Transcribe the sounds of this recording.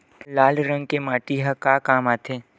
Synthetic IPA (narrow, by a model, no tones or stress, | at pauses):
laːlɾə̃ŋɡ̚kemaːʈiɦəkakaːmaːt̪ʰeː